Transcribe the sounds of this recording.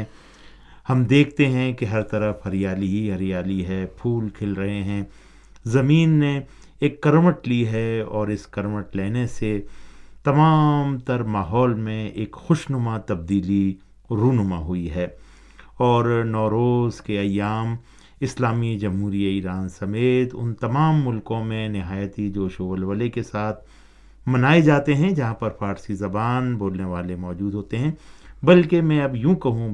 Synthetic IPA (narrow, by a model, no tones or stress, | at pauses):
hɐmd̪eːkʰt̪eɦɛ̃keɦɐɾt̪ɐɾəfɦɐɾjaːliiɦɐɾijaːliɦɛpʰuːlkʰɪlɾɐɦeɦɛ̃ː | zɐmiːnːẽ | eːkːɐɾməʈliɦɛɔːɾɪskɐɾməʈleːneset̪ɐmaːmt̪ɐɾmaːɦɔːlmẽeːkxʊʃnʊmat̪ɐb̚d̪iːli | ɾuːnʊmaɦʊiɦɛː | ɔːɾnɔːɾoːzkeɐjːaːm | ɪslaːmid͡ʒɐmɦuːɾiaiːɾaːnsɐmeːt̪ʊ̰nt̪ɐmaːmːʊlkõmẽnɪɦaːjt̪id͡ʒoːʃoːʋəlʋəlekesaːt̪ʰ | mɐnaːed͡ʒaːt̪eɦɛ̃d͡ʒɐɦãpɐɾpʰaːɾsizɐbaːnboːlneʋaːlemɔːd͡ʒuːd̪ʱɦoːt̪eɦɛ̃bɐlkemɛ̃ɐbjũːkɐɦũ